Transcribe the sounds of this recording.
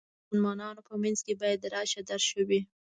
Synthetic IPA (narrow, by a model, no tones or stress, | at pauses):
nmɑnɑnopəmanzkebɑjad̪ːəɾɑʃad̪aɾʃəwi